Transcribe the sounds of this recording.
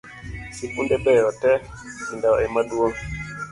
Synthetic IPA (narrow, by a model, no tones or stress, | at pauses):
sikundɛɓɛjɔtɛ | indaɔɛmaɗuɔŋ